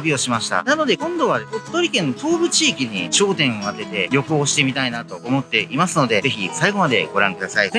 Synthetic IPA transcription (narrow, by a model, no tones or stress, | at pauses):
bʲio̞ɕimaɕi̥t̪a̰nano̞d̪e̞kõ̞nd̪o̞βaett̪ːo̞ɾʲikẽ̞nːo̞t̪o̞ːbɯ̟t͡ɕiːkʲiɲ̟it͡ɕo̞ːt̪ẽ̞ɰ̃o̞at̪e̞t̪e̞ɾʲjo̞koːɕi̥t̪e̞mʲit̪ainat̪o̞ːmo̞t̪ːe̞imasɨno̞d̪e̞ze̞çisaiɡo̞mad̪e̞ɡ̥o̞ɾã̰ŋkɯ̟d̪asaie